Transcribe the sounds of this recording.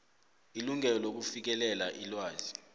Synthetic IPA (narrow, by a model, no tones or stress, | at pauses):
iluŋɛlɔlok̬ufik̬ɛlɛlaʔilwaːzi